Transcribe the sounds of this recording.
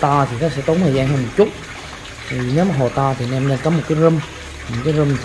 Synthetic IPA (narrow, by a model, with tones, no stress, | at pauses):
t̪aː˧t̪ʰi˨˩nɔ˨˦sɛ̰˧˥t̪o˨˦nhʰəː˨˩zaː˧ŋhəː˧mo˨˩t̚t͡ɕʊ˦˥t̚ | i˨˩˨ne˨˦wmaː˨˩ɦo˨˩t̪aː˧t̪ʰi˨˩nɛ˧mne˧nkɔ˨˦mo˨˩t̚kaː˨˦jzə˧m˨˩ | kaː˨˦jzə˧mz